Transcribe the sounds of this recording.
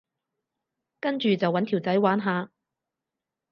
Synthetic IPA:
kɐ˥nt͡ʃyː˨t͡sɐ˨wːɐ˨˥nt̪ʰi˨˩wt͡sɐ˨˥jwaː˨˥nɦaː˨˧

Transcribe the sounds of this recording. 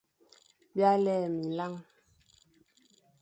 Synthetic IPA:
bja˦lɛː˦˨mi˨la˦ŋ

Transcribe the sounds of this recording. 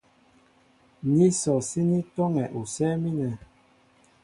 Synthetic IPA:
ni˦sɔ˨si˦ni˦tɔ˦ŋɛ˨ʔu˨sɛː˦mi˦nɛ˨

